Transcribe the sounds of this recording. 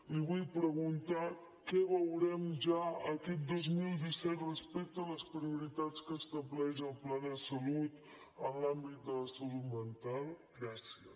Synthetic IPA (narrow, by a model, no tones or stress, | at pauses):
iβujpɾəɣunt̪a | kɛβəwɾɛmʒaəkɛt̪̚d̪ozmilˠd̪isɛt̪rəspɛk̚t̪ələspɾiuɾit̪at̪t͡skəːst̪əβlɛʃəlˠplaðəsəlut̪ | ənlambit̪̚d̪ələsəlut̪mənt̪alˠɡɾɛsiə